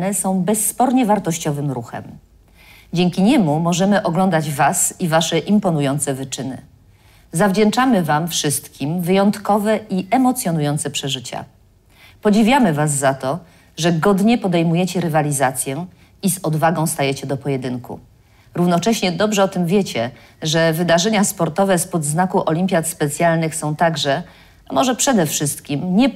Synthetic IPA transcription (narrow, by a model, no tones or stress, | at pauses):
nɛsɔ̃w̃bɛsːpɔɾɲɛvaɾt̪ɔɕt͡ɕɔvɘmɾuxɛ̰m | d͡ʑɛŋkʲiɲɛmumɔʐɛmɘʔɔɡlɔnd̪ad͡ʑvasivaʂɛʔimpɔnujɔnt̪sɛvɘt͡ʂɘnɘ̰ | zavd͡ʑɛnt͡ʂamɘvamfʂɘst̪kʲimvɘjɔnt̪kɔvɛʔiʔɛmɔt̪sʲjɔn̪ujɔnt̪sɛpʂɛʐɘt͡ɕa̰ | pɔd͡ʑivʲjamɘvazːat̪ɔ | ʐɛɡɔd̪ɲɛpɔd̪ɛjmujɛt͡ɕɛɾɘvalʲizat̪sʲjɛ | izɔd̪vaɡɔ̃w̃st̪ajɛt͡ɕɛd̪ɔpɔjɛd̪ɘŋkṵ | ɾuvnɔt͡ʂɛɕɲɛd̪ɔbʐɛɔt̪ɘmvʲjɛt͡ɕɛ | ʐɛvɘd̪aʐɛɲaspɔɾt̪ɔvɛspɔd̪znakuʔɔlʲimʲpʲjat̪spɛt̪sʲjalnɘxsɔ̃w̃t̪aɡʐɛ | amɔʐɛpʂɛd̪ɛfʂɘst̪kʲimɲɛ